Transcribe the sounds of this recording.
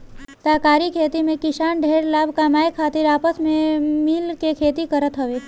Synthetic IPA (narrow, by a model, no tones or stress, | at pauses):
t̪akaɾikʰet̪imẽkɪʃanɖʱeɽlabʱkamajekʰat̪iɾapəsmẽmilkekʰet̪ikəɾət̪ɦəʋe